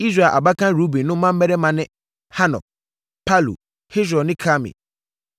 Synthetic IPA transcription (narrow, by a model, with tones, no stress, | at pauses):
i˦s̬ɾa˨ʔa̰˨ba˦kʰã˦ɾu˦bi˨nʊ̃˦mã˦m̩˦mɛ˦ɾɛ˦mã˨nɪ̃˦ | ha˦nɔ̰̃˨ | pʰa˦lṵ˨ | hɪ˦s̬ɔ˨nɪ̃˦kʰa˦mɪ̰̃˨